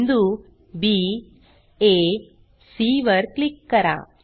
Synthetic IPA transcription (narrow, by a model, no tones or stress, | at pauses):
nd̪u | biː | e | siʋɐɾklikːɐɾa̰